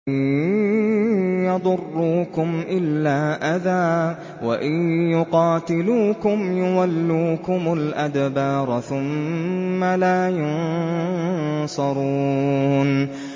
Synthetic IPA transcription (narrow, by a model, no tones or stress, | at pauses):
jɑd̪ˤʊrːuːkʊmʔɪlːaːʔaðaː | waʔɪjjʊqɑːt̪ɪluːkʊmjʊwalːuːkʊmʊlʔad̪bɑːɾˤθʊmː | alaːjʊn | sˤɑɾˤuːn